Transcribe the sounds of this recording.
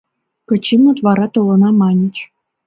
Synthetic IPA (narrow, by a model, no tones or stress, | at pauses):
kɤ̆t͡ɕimnɤ̆t̪ʋɑɾɑt̪olˠɤ̆nɑmɑnʲĭt͡ɕ